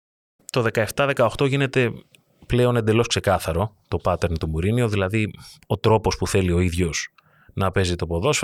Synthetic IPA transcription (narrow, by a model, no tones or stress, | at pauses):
t̪o̞ðe̞kɐeft̪ɐðe̞kɐo̞xt̪o̞ʝine̞t̪e̞ | ple̞o̞nend̪e̞lo̞skse̞kɐθɐɾo̞t̪o̞pɐt̪e̞ɾnt̪omuɾinio̞ðilɐðio̞t̪ɾo̞po̞spuθe̞lio̞iðʝo̞s | nɐpe̞zit̪o̞po̞ðo̞s